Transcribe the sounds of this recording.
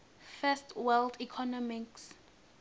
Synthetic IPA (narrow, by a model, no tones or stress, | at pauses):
fɛstwɛldikʰɔnɔmiks